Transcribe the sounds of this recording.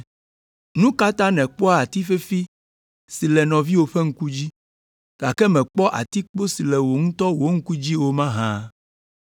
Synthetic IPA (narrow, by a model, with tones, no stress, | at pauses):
nũ˦ka˦t̪ã˦nɛ̃˨k͡pɔ˦a˦a˨t̪i˦fe˦fi˦ | si˨lɛ˨nɔ̃˨vi˦wo˨ɸɛ˦ŋ̩˦ku˦d͡ʑi˦ | ɡ̥a˨kɛ˦mɛ̃˨k͡pɔ˦ʔa̰˨t̪i˦k͡po˦si˨lɛ˨wo˨ŋũ˦t̪ɔ˦wo˦ŋ̩˦ku˦d͡ʑi˦wo˦mã˦ɦã˦